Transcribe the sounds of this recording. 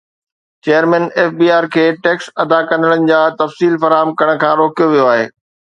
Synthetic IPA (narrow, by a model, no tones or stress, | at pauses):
t͡ɕeːəɾmɛ̃ːneːfbiːaːɾkʰeːʈeːksɐd̪akɐ̃nd̪əɽənɪ̆d͡ʑaːt̪ɐfsiːlfɐɾaːɦəmkɐɽ̃ə̆kʰãːɾoːkijoʋijoaːɦeː